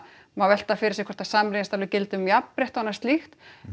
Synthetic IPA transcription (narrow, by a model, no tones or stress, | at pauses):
mawvɛl̥t̪afɪɾɪ̥sɛkʰɛ̥ɾ̥t̪asaːmɾɪnst̪alvɪcɪlt̪ʏmjapmɾeht̪anːast̪lixt̪